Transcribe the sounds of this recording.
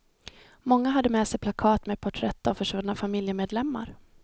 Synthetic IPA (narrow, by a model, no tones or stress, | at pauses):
mɔŋːaɦad̪ːəmɛːsɛjpʰlakʰɑːt̪mɛːpʰɔʈʰɾɛt̪ːafœʂvɵnːafamɪljəmeːd̪lɛmːa̰ɾ